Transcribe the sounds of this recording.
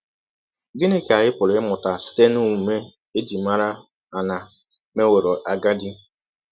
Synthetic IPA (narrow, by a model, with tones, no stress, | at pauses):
ɡɪ˦ne˦ke˨a˨jɪ˦pʊ˨ɾʊ˨˦ɪ˦mʊ˨ta˨si̥˦te˦nu˦u˨me˦ | e˦di˨ma˦ɾa˦ | a˨na˨ | me˦we˨ɾo˨ʔa˨ɡa˦dɪ˦